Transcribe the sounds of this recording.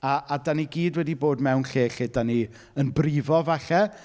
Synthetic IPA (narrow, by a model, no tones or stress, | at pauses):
aadaniɡiːdwɛdiboːdmɛwnɬeːɬedani | ənbrɪvɔvaɬɛ